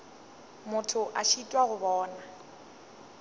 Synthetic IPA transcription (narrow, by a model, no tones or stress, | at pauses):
mʊtʰʊʔaʃitʼwaɣʊbɔːna